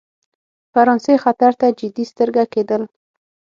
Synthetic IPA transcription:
faɾɑnsexat̪aɾt̪ad͡ʒɪd̪ist̪əɾɡaked̪əl

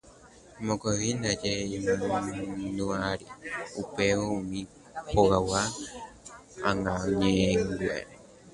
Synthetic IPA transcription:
mõɡoβind̪ad͡ʒeimɨ̃nuaɾiupeoumĩ | poɣawa | aŋãɲẽŋɡua̰ɾe

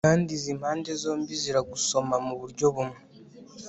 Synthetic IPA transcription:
aːndizimhaːnde̞zo̞ːmbiziɾaɡuso̞mamuβuɾɟo̞βumwe

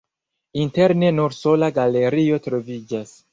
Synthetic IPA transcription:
inteɾnenuɾso̞laɡale̞ɾio̞tɾo̞vid͡ʒas

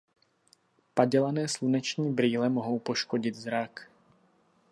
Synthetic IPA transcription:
paɟɛlanɛːslunɛt͡ʃɲiːbɾiːlɛmoɦo̞wpo̞ʃkoɟɪd̪zɾak

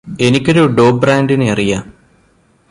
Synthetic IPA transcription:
e̞nikʲːo̞ɾuɖoːbraːndinɨɐrija

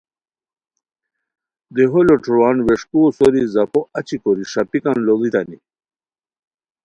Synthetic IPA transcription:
d̪eɦoloʈ͡ʂuɾwanweʂkusoɾizɐpoʔɐt͡ɕikoɾiʂapikanlolit̪ani

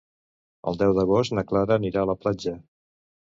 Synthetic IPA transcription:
ə̰lˠd̪ɛwðəɣ̞ost̪nəklaɾəːniɾaələplad͡ʒə

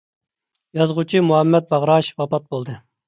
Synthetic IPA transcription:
jɑzʁut͡ʃʰimuɦɛmːɛt̪̚bɑʁɾɑʃwɑpɑt̪̚bolˠd̪ɨ

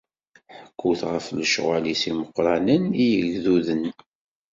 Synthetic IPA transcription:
ħəkʰːuθʁəfləʃʁalisiməqːɾˤɑnənijəɣðuðən

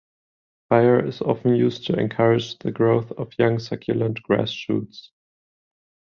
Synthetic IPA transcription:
faɪə˞ɪ̰zɑ̰fn̩jʉːstʰuɛ̰̃nkʰʌɹɨd͡ʒðəɡɹoʊθʌvjãŋsakʰjɨlə̃ntɡ̥ɹæ̰sʃṵːts

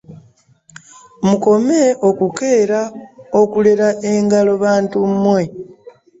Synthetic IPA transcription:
muko̞meʔokuke̞ːɾaokuleɾaʔeŋɡalo̞βaːntummwe̞

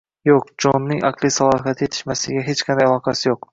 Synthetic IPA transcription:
joq̚d͡ʒɒnːɪŋʔɑqlˠisalˠɒɦat̪ʰje̞t̪ʰɪ̥ʃmasɪɡʲaɦe̞t͡ʃqʰɑnd̪ajɑlˠɒqʰɑsɪjoq

